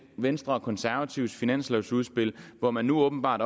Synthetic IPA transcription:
ʋensd̥ʁɐɒkʰɒ̽nsæɐʋæt͡sʰiʊ̰sfinæn̰sleʊsuð̞̩ˠsb̥e̝l̰ʋɒmænːuɔ̽ːb̥n̩b̥ɑ̰̈ːd̥

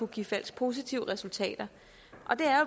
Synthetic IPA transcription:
uɡ̥ifæl̰spʰo̝ːs̬it͡sʰiʊ̰əʁɛsult͡sʰɛ̰ːd̥ɐ | ʔɒ̽d̥e̝æɐ

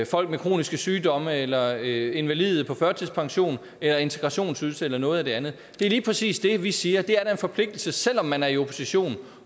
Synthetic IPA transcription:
fɒ̽l̰ɡ̥mekʰʁo̝̰ːnisɡ̥əsyːdɒ̽məelɐe̝nʋælið̩ˠpʰɒ̽fɶɐt͡sʰiðˠspʰɑ̈ŋɕo̝̰ːn | elɐe̝nt͡sʰe̝ɡ̥ʁɑ̈ɕo̝̰ːnsuðlˠsəelɐnɔ̽ːð̩ˠæd̥e̝ænð̞̩ˠ | d̥e̝liːpʰʁɛsḭːsd̥e̝ʋisiːɐd̥e̝æɐɾæe̝nfɒ̽pʰle̝ɡ̥d̥l̩səsel̰ɒ̽mːænæɐio̝pʰo̝̥siɕo̝̰ːn

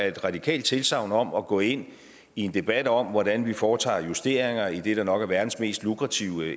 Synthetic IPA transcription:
ɐe̝d̥ʁɑ̈d̥ikʰɛ̰ːld̥̚t͡sʰe̝lsɑ̈ʊnɒ̽mɒ̽ɡ̥ɔ̰̽ːe̝n̰ | ie̝nd̥e̝b̥æd̥ɒ̽m̰ʋɒɾ̥ænʋifɒːt͡sʰɑ̰̈ːjusd̥e̝̰ɐ̰eŋɐid̥e̝ɾ̥ɑ̈nɒ̽ɡ̥æɐʋæɐd̥n̩sme̝̰ːsd̥lukʁɑ̈t͡sʰiʊ̰

